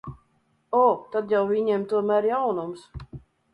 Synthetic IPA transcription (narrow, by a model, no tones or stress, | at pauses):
ɔt̪ad̪jawviɲɛɛmt̪uɔmæːɾjawnums